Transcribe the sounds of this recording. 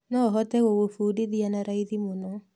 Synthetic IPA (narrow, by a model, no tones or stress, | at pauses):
nɔɦɔtɛɣoɣofuːdeðianaɾaiðimonɔ